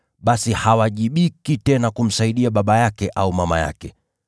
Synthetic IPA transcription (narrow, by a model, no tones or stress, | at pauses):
ɓasihawaʄiɓikitɛnakum̩saiɗiaɓaɓajakɛʔaumama̰ja̰kɛ